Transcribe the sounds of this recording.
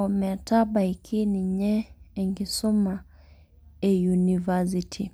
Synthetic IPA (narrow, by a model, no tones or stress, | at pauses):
ɔmɛtaɓaikʰiniɲɛːŋɡisɔma | ɛjunivazitʰi